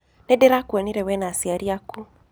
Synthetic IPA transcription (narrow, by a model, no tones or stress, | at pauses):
nɛdɛɾakuaniɾɛwɛnasiaɾiaku